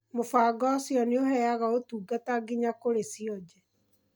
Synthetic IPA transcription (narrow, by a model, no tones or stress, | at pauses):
mofaːɡɔsjɔneohɛjaɣaotuːɡataɡiɲakoɾesiɔd͡ʑɛ